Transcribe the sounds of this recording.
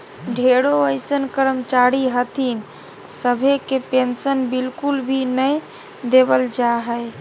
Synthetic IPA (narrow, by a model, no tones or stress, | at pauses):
ɖʱeɽoəɪsənkəɾəmt͡ʃaɾiɦət̪in | səbʱekepensənbilkulbʱinəj | d̪ebəld͡ʒaɦəj